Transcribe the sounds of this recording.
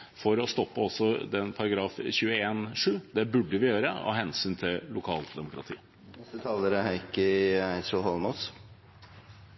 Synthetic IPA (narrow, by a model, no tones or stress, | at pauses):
fɔɾɔst̪ɔpːəɔsɔd̪ɛnpʰɑɾɑɡɾɑːfçʉːəeːnʂʉːd̪ɛbʉɖːəʋɪjøːɾəɔ̰ɦɛnsyːnt̪ʰɪllʊkʰɑ̰ːlt̪d̪ɛmʊkɾɑ̰t̪ʰḭː | st̪ət̪ʰɑːləɾəhæɪkəæɪsəlhɔlmɔs